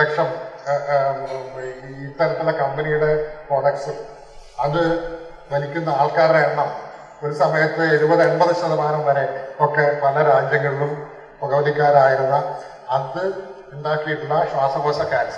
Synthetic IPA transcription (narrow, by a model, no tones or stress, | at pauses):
ɐkʂɐm | it̪ːɐɾɐt̪ːuɭːɐkɐmbenijuɽe̞proːɽɐksu | ɐðɨ | ʋɐlikʲːunːɐaːɭkaːɾeeɳːɐm | o̞ɾusɐmɐjɐt̪ːɨeɾubɐðɨeɳbɐðɨɕɐðɐmaːnɐmʋɐɾe̞o̞kːe̞ʋɐlɐɾaːd͡ʑjɐŋːɐɭiɭum | poɣɐʋɐɽikʲːaːɾaːjiɾunːɐ | ɐt̪ɨ | uɳɖaːkːijiʈːuɭːɐɕwaːsɐbɐsɐkːaːɾɐs